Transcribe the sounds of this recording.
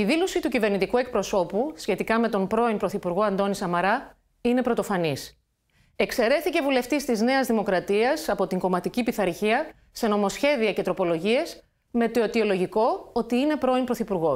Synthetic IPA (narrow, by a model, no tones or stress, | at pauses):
iðilo̞sit̪ucive̞ɾnit̪ikue̞k̚pɾo̞so̞pusçe̞t̪ikɐme̞t̪o̞mpɾo̞impɾo̞θipuɾɣo̞ɐnd̪o̞nisɐmɐɾɐ | ine̞pɾo̞t̪o̞fɐnis | e̞kse̞ɾe̞θice̞vule̞ft̪ist̪izne̞ɐzðimo̞kɾɐt̪iɐsɐpo̞t̪iŋɡo̞mɐt̪icipiθɐɾçiɐ | se̞no̞mosçe̞ðiɐce̞t̪ɾo̞po̞lo̞ʝie̞s | me̞t̪oot̪io̞lo̞ʝiko̞o̞t̪iine̞pɾo̞impɾo̞θipuɾɣo̞